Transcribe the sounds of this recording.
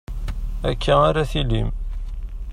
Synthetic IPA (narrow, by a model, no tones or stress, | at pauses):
ækʰːaaɾæθilim